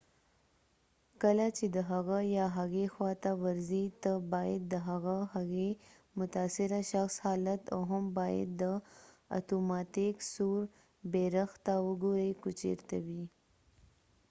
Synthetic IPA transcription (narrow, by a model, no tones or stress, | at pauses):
kəlat͡ʃed̪əɦaɣajɑɦaɣexwɑt̪awaɾzit̪əbɑjad̪̚ːəɦaɣahaɣe | mʊt̪aːsɪɾaʃaxshɑːlat̪a̰wɦambɑjɪ̰d̪ːə | a̰t̪omɑt̪ɪksuɾ | beɾaxt̪awəɡoɾejkut͡ʃḛɾt̪awi